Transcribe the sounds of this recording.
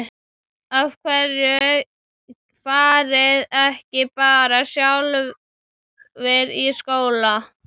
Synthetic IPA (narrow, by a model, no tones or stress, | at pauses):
avkʰvɛrjʏ | faːɾɪðɛhcɪpaːɾasjawl | vɪɾiskoːwla